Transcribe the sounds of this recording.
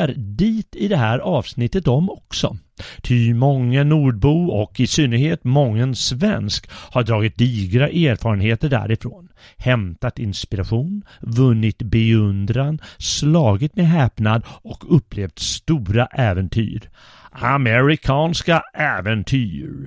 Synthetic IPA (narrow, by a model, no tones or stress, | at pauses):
aɾdiːt̪ɪd̪ɛɦæːɾʔɑːvsnɪt̪ːət̪ɔmɔksɔ̰ | t̪ʰymɔŋːənuːɖ̚buːɔkɪsynːəɾheːt̪mɔŋːənsvɛnskhaɖɾɑːɡɪt̪̚d̪iːɡɾaʔeːɾfɑːɾənheːt̪əɖæ̰ɾɪfɾo̰ːn | hɛmt̪at̪ɪnspɪɾaɧuːnvɵnːɪt̪bɛɵnd̪ɾanslɑːɡɪt̪medɦɛːpnad̪ɔkʰɵpːleːvt̪st̪uːɾaʔɛːvɛnt̪ʰy̰ːɾ | amɛɾɪkʰɑːnskaʔɛːvɛnt̪ʰyːɾ